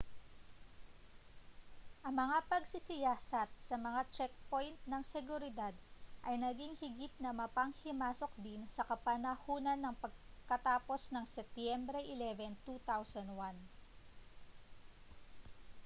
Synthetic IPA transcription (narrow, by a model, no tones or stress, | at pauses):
ʔɐŋmɐŋapɐɡsɪsɪjaːsɐt̪̚sɐmɐŋat͡ʃɛk̚po̞jnt̪̚nɐŋsɛɡʊɾɪd̪ad̪ʔɐjnɐɡiŋhɪɡit̪̚nɐmɐpɐŋhɪmaːso̞k̚d̪insɐkɐpɐnɐhuːnɐnːɐŋpɐɡ̚kɐt̪aːpo̞snɐŋsɛp̚t̪jɛmbɾɛʔɪlɛvɛnt̪ut̪awsɐnd̪wan